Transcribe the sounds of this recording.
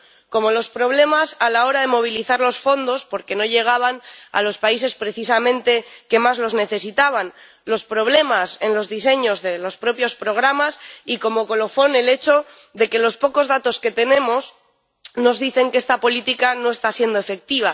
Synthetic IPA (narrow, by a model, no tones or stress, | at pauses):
ko̞mo̞lo̞spɾo̞β̞le̞masalao̞ɾaðe̞mo̞β̞iliθaɾlo̞sfo̞nd̪o̞spo̞ɾke̞no̞ʎe̞ɣ̞aβ̞ana̰lo̞spais̬e̞spɾe̞θisamẽnt̪e̞ke̞mazlo̞zne̞θe̞sit̪aβan | lospɾo̞βle̞mase̞nlo̞zðis̬e̞ɲo̞zðe̞lo̞spɾo̞pjo̞spɾo̞ɣ̞ɾamasiko̞mo̞ko̞lo̞fo̞ne̞le̞t͡ʃo̞ðe̞ke̞lo̞spo̞ko̞zð̞at̪o̞ske̞t̪e̞nẽ̞mo̞s | no̞zðiθe̞ŋkest̪apo̞lit̪ikano̞est̪asje̞nd̪o̞efe̞k̚t̪iβ̞a